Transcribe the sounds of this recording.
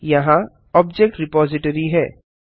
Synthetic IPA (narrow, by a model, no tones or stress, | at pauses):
jɐɦã | ɔːbd͡ʒek̚ʈɾɪpɔːzɪʈəɾiɦɛː